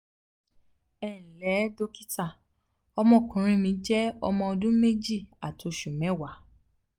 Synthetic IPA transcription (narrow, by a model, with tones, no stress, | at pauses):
ɛ˦˨n̩˨lɛ˨˦do˧ki̥˦ta˦˨ | ɔ˧mɔ̃˦˨kũ˨ɾ̃ĩ˧mĩ˧˦d͡ʒɛ˦ɔ˧mɔ̃˧ɔ˧dũ˦me˦d͡ʒi˦˨a˨tʰo˨˧ʃu˨mɛ̃˨˦wa˨˦